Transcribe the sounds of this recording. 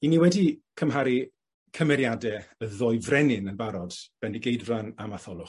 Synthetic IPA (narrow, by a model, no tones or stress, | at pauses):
iniwɛdikʰəmɦaɾi | kʰəmɛɾjadɛəðɔjvrɛnɪnənbaɾɔd̥b̥ɛndiɡejdranamaθɔlˠʊ